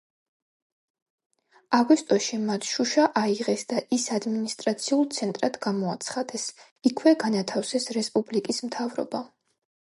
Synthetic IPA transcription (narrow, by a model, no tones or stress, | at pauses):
aɡwist̪ʼɔʃimat̪ʰʃuʃaʔaiʁɛsd̪aʔisad̪minist̪ʼɾat̪sʰiulˠt̪sʰɛnt̪ʼɾad̪ɡamɔat̪sʰχad̪ɛs | ikʰwɛɡanat̪ʰafsɛsɾɛspʼublikʼismt̪ʰavɾɔ̰ba